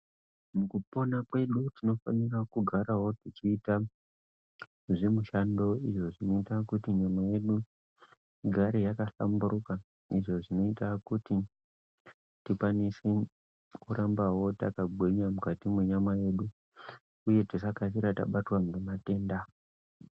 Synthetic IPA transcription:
mukupo̞nakwe̞ɗutino̞fanirakuɡʱaɾawo̞tit͡ʃiːta | ʐemuʃando̞iʐo̞ʐino̞itakutiɲamaje̞ɗu | ɡʱaɾejakaɬa̰mbuɾuka | iʐo̞ʐino̞itakuti | tikwanise | kurambawo̞takaɡʱweɲamukatimweɲamaje̞ɗu | uje̞tisakasiɾata̰ɓatwamemate̞ːnda

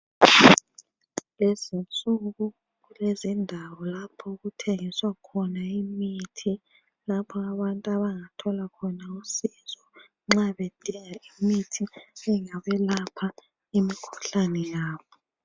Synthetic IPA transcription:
lezint͡sʼuɣu | ɣulezindʱawɔlapʰɔuɣutʰeŋiswakʰɔnaimitʰi | lapʰɔaβantʼuaβaŋatʰɔlakʰɔnausizɔ | ŋ͡ǁaβed̥ʱiŋaimitʰiɛŋaβɛlapʰa | imikʰu̥ɬanɛjaːβɔ

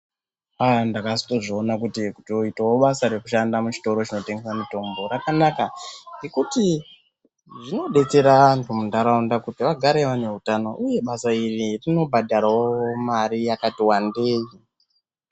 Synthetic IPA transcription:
andakasi̥to̞ʐionakutiku̥toitawoɓasaɾe̞kuʃandamut͡ʃi̥to̞ɾo̞t͡ʃino̞te̞ŋɡe̞samito̞mbo̞ɾakanakaŋɡe̞kuti | ʐino̞ɗe̞t͡se̞ɾaantʰumundaɾaundakutiʋaɡʱaɾe̞ʋane̞ɦutano̞̰ʔuje̞ɓasairirino̞bʱadʱaɾawomaɾijakatiwande̞ːji

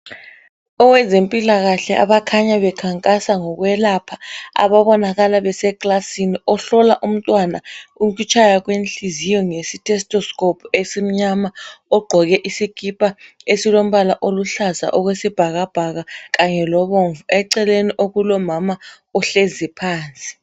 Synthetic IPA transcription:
ɔwɛzempʼilaɣaɬɛʔa̰βakʰaɲaβɛkʰaŋkʼasaŋɔk̬wɛlapʰaa̰βaβɔnaɣalaβɛsɛkʼlasiniɔɬɔlaʔum̩tʼwanaumk̬it͡ʃʰajak̬wenɬizijɔŋesitʰʼɛstʼɔskʼɔpʰuesim̩ɲamaɔɡ͡ǃʱɔɣɛʔisikʰʼipʼaesilom̩βalaʔoluɬaza̰ʔɔɣwesib̥ʱaɣab̥ʱaɣakaɲɛlɔβoɱvuɛǀɛleniʔoɣulɔmama | ɔɬezipʰaːnt͡sʼi̥

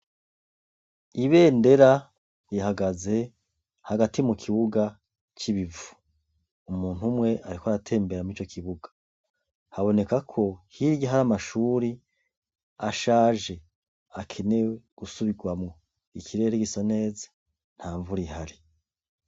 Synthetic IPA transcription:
iβe̞ːnde̞ɾa | jihaɡaze̞ | haɡatimukʰiβuɡa | t͡ʃiβivu̥ | umuːn̥umŋe̞ʔaɾikoaɾatʰe̞ːmbe̞ɾamit͡ʃo̞kʰiβuɡḁ | haβo̞ne̞kakʰo̞hiɾjaɦaɾamaʃuːɾi | aʃaːʒe̞ | akʰe̞ne̞wɡ̥usuβiɡwamŋo̞ | ikʰiɾe̞ːɾeɡisone̞ːzḁ | n̥haːɱvuɾihaɾi

